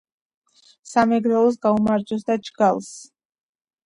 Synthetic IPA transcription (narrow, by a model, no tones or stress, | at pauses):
samɛɡɾɛlˠɔs̬ɡaumaɾd͡ʒɔsd̪ad͡ʒɡalˠs